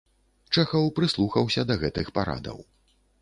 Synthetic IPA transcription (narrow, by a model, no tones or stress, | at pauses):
t͡ʂɛxɐwpɾɨslˠuxɐwsʲɐd̪ɐɣɛt̪ɨxpaɾa̰d̪ɐ̰w